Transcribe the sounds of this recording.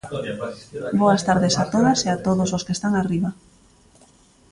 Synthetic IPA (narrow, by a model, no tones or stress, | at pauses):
boast̪aɾðesat̪oðaseat̪oðososkest̪aŋariβa